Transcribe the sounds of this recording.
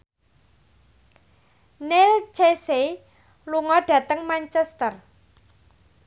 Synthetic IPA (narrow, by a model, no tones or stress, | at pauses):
nelt͡ʃese | luŋɔɖ̥ä̤t̪əŋmaɲt͡ʃɛst̪ər